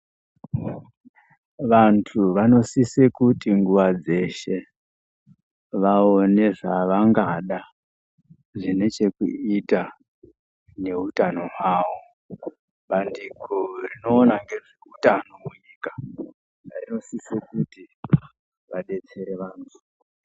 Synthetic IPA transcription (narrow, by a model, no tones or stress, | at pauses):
ʋantʰuʋano̞sisekutiŋɡuʋad͡ze̞ʃe̞ | ʋaone̞ʐaʋaŋɡaɗa | ʐine̞t͡ʃe̞kṵita | ne̞utano̞ɦwaːʋo̞ | ɓandikorino̞ːnaŋɡe̞ʐeutanomuɲikḁ | aino̞sisekuti | ʋaɗe̞t͡se̞ɾe̞ʋaːntʰu̥